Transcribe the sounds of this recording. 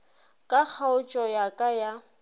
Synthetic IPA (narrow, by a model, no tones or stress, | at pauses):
kʼak͡xʰaʊt͡ʃʼɔjakʼaja